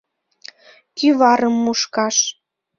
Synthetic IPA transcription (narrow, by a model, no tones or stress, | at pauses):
kyβɑɾəmːuʃkɑʃ